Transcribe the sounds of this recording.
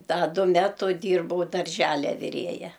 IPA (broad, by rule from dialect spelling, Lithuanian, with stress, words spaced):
ˈdɐ ˈdʊ ˈmʲæːtʊ ˈdʲiːrbɐʊ dɐrʲˈʒʲæːlʲɛ ʋʲɪˈrʲeːjɛ